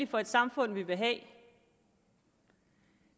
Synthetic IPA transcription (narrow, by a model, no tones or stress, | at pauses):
ifɒ̽e̝d̥sɑ̈mfɔ̽n̰ʋiʋe̝ɦɛ̰ː